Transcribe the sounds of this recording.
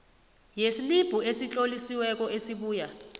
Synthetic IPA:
jesilib̥ʱuesit͡ɬʼolisiwɛk̬ʼɔesiɓuːja

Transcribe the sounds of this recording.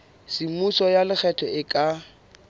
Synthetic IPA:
simusɔjalɪk͡xʰɛtʰɔɪkʼa

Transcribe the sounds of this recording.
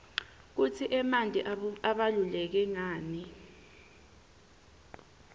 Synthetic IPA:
k̬ut͡sʰiʔɛmandʱʼiaɓalulɛk̬ɛŋaːni

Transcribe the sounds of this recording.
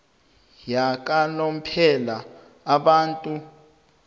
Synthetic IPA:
jak̬ʼalom̩pʰɛlaː | ɓaːntʼu

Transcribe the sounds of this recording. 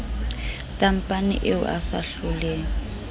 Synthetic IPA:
tʼam̩pʼanɪ̰ʔeʊ̰ʔa̰sa̰ɬʊlɛːŋ

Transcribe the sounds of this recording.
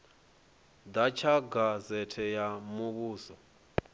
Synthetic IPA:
d̪at͡ʃʰaɡazɛtʰɛjamuβuːsɔ

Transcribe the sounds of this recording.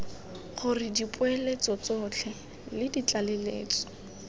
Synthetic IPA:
χʊrɪdipʼʊɛlet͡sɔt͡sɔt͡ɬʰɛ | lɪdit͡ɬalɛlḛːt͡sɔ̥

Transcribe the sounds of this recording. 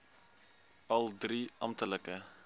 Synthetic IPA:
ɐldriʔɑmtələkə

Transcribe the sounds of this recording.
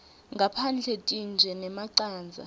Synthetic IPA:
ŋɡʱapʰand͡ɮʱɛtʼind͡ʒʱɛnɛmaǀaːnd͡zʱa̰

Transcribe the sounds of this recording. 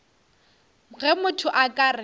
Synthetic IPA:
ɣɛmʊtʰʊʔakʼarɪ

